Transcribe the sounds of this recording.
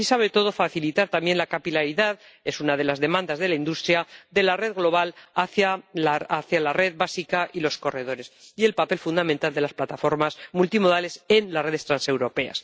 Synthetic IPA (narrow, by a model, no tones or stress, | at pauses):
isaβet̪o̞ðo̞faθilit̪aɾt̪amje̞nlakapilaɾiðað | e̞sunað̞e̞lazðe̞mãnd̪azðe̞laind̪ust̪ɾjad̪e̞lare̞ðɣlo̞βalaθaaaθjalare̞ðbasikaʔilo̞sko̞re̞ðo̞ɾe̞sie̞lpape̞lfund̪amẽnt̪ald̪e̞lasplat̪afo̞ɾmazmult̪imo̞ðale̞se̞nlare̞ð̞e̞st̪ɾanse̞wɾo̞pe̞a̰s